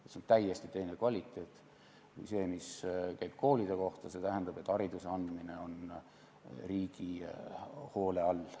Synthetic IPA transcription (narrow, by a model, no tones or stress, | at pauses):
et̪seont̪æjest̪it̪e̞jnekvɑlʲit̪ːˑe̞ːt̪ːˑ | kṵjse̞ːmiskæjb̥̚kʰo̞ːlʲid̪̥e̞ko̞ht̪ɑse̞t̪æɦɛnd̪ɑb̥e̞t̪ːˑɑɾid̪̥useɑnd̪̥mine̞o̞n | riːɡ̥i | ho̞ːle̞ɑl